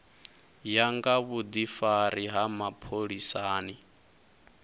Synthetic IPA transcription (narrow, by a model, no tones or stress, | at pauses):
jaŋɡaβud̪ifaɾiɦamapʰoɺisaːni